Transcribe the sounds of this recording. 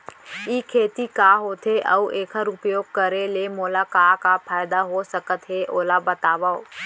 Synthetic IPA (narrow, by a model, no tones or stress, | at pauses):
iːkʰeːt̪ikaɦoːt̪ɦeʔɐʋʔeːkʰəɾʊpjoːɡ̚kəɾelemoːlakaːkapʰaːjd̪aɦosəkət̪ɦeʔoːlabɐt̪aːʋao